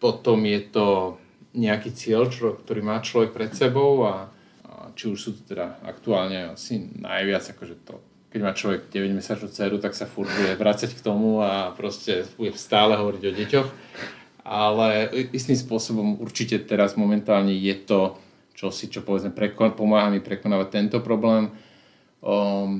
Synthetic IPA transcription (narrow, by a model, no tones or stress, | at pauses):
pɔt̪ɔmjɛt̪ɔ | ɲɛakiːt͡sɪɛʎt͡ʃɔkt̪ɔɾiːmaːt͡ʃlɔʋɛk̚pɾɛt̪sɛbɔʊa | t͡ʃiuʃsuːt̪u̥t̪ɛd̪aa̰kt̪uaːlɲɛa̰sina̰jʋɪad͡zakɔʒɛt̪ɔ̰ | kɛɟmaːt͡ʃlɔʋɛɡɟɛʋɛɟmɛsat͡ʃnut͡sɛːɾut̪aksafuɾbujɛʋɾat͡sackt̪ɔmuapɾɔscɛb̥uɟɛst̪aːlɛɦɔʋɔɾiɟɔɟɛcɔx | alɛist̪imspʊɔsɔbɔmṵɾt͡ʃicɛt̪ɛɾazmɔmɛnt̪aːlɲɛjɛt̪ɔ | t͡ʃɔsit͡ʃɔpɔʋɛd͡zmɛpɾɛkpɔmaːɦamipɾɛkɔnaːʋat̚t̪ːɛnt̪ɔpɾɔblɛːm